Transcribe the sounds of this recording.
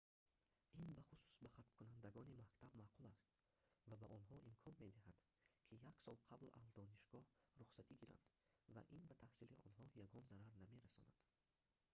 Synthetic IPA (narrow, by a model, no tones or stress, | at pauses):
inbaχusu̥sbaχat̪mkʰunand̪aɡɔnimakt̪ʰabmaqulast̪̚ | vabaʔɔnɦɔʔimkʰɔnme̞d̪ihad̪̥ | kʰijaksɔlˠqʰabla̰zd̪ɔniʃɡ̥ɔhɾuχsat̪iɡiɾa̰nd̪̥va̰ʔinbat̪ʰahsiliʔɔ̰nɦɔjaɡɔnzaɾaɾname̞ɾasɔ̰na̰d̪̥